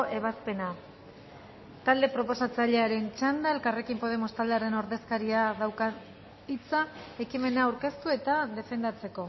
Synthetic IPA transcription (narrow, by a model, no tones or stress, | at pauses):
ʔe̞β̞aspe̞na | t̪ald̪e̞pɾo̞po̞sat͡saʎe̞aɾe̞nt͡ʃand̪ae̞lkare̞kimpo̞ð̞e̞most̪ald̪eaɾe̞no̞ɾðe̞skaɾiaðawka | it͡sae̞kime̞naːwɾke̞st̪ue̞t̪aðe̞fe̞nd̪at͡se̞ko̞